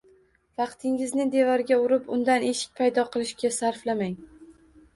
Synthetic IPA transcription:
vɑqt̪ʰɪŋɪznɪd̪e̞vɒɾɡʲaʊɾɪpʊnd̪ane̞ʃɪ̥k̚ʲpʰajd̪ɒqʰɨlˠɪʃkʲasaɾflamaŋ

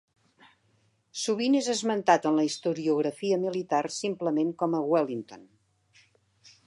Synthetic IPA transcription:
suβinezəzmənt̪at̪ənləist̪uɾiuɣ̞ɾəfiəmilit̪arsimpləmeŋkɔməɣwɛlint̪on

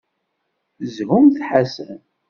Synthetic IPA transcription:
zhumθħasən

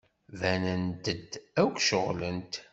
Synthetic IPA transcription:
vænənt̪əd̪ækʷʃəʁlənt̪

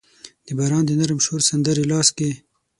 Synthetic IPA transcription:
d̪̥əbaɾɑːnd̪ənaɾəmʃoɾsand̪əɾelɑːske

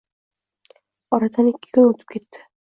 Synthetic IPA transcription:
ɒɾad̪anɪkʲʰːɪ̥kʰʊnot̪ʰɪ̥p̚kʲʰe̞t̪ːɪ̥

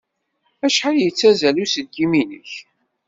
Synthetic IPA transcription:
æʃħaljət͡sːæzælusəd̪̚ɡiminəç

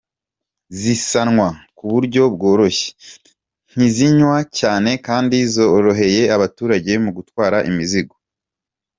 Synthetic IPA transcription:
zisanŋwakuβuɾɟo̞bɡo̞ːɾo̞ʃe̥ | n̥iziɲwacaːne̞kaːndizo̞ɾo̞ɦe̞je̞aβatuːɾaɟe̞muɡutwaːɾaʔimiziɡo

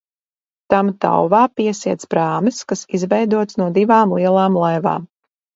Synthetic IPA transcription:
t̪amt̪a̰wvaːpiɛsiɛt̪sbɾaːmɨskasizvɛjd̪uɔt̪snuɔd̪ivaːmlˠiɛlˠaːmlˠajva̰ːm

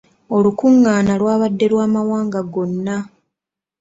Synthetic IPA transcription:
o̞lukuŋːaːnalwaːβadːe̞lwaːmawaːŋɡaɡo̞nːa

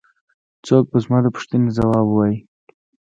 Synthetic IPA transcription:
t͡sok̚bəzmɑd̪əpʊ̥ʂt̪ənezawɑbuwɑji

